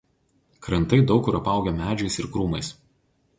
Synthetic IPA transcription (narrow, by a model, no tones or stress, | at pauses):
kɾɐnt̪ɐɪd̪ɒʊkʊɾɐpɑˑʊɡʲɛmʲæːd͡ʒʲɛɪsɪɾkɾuːmɐɪs